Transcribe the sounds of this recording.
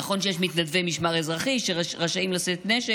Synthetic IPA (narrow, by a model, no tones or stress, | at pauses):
aχo̞nʃejeʃmit̪nad̪vemiʃmaʁezʁaχiʃeʁaʃaimlaset̪neʃe